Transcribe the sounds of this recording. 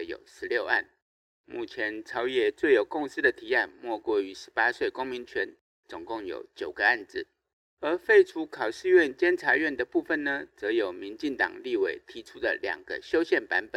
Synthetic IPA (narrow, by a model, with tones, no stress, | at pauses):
jo̰˨˩ʊʂɻ̩˧˥ljo˥˧ʊa̰˥˩n | mu˥˩t͡ɕʰjɛ˧˦nʈ͡ʂʰɑ˧˥ʊjɛ˥˩t͡swe˥˩ɪjo˨˩kʊ˥˧ŋs̩˥d̪ə˨t̪ʰi˧˥a˥˧nmwɔ˥˧kwɔ˥˩y˧˥ʂɻ̩˧˥pa˥swe˥˩ɪkʊ˥ŋmi˧˥nt͡ɕʰɥɛ˧˥n | t͡sʊ˨˩ŋkʊ˥˩ŋjo̰˨˩ʊt͡ɕjo˨˩ʊɡə˦a˥˧nt͡sɻ̩˥˩ | ə˧˥fe˥˩ɪʈ͡ʂʰu˧˥kʰɑ˨˩ʊʂ̩˥˧ɥɛ˥˩nt͡ɕjɛ˥nʈ͡ʂʰa˧˥ɥɛ˥˩nd̪ə˩pu˥˩fə˨nnə˩t͡sɤ˧˥jo˨˩ʊmi˧˥nt͡ɕi˥˩ŋt̪ɑ̰˨˩ŋli˥˩we˨˩ɪt̪ʰi˧˥ʈ͡ʂʰu˥d̪ə̰˨ljɑ̰˨˩ŋɡ̥ə̰˦ɕjo˥ʊɕjɛ˥˩npa˧˥npə˨˩˦